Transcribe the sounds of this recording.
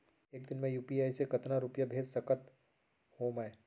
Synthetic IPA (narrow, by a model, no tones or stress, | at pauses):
eːk̚d̪ɪnmẽjuːpiaːisekɐt̪naɾupjəbʱeːd͡ʒsɐkət̪ | hoːmɛ